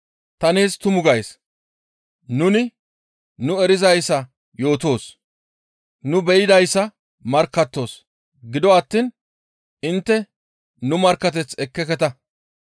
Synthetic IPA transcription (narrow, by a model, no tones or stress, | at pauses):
t̪ɐniːst̪ʊmʊɡɐjs | nʊnɪ | nʊɛɾɪzɐjsːɐ | jo̞ːt̪o̞ːs | nʊbɛjɪd̪ɐjsːɐ | mɐɾkːɐt̪ːo̞ːs | ɡɪd̪ɔɐt̪ːiːn | ɪnt̪ːɛ | nʊmɐɾkːɐt̪̬ɛt͡sɛkːɛkɛt̪ɐ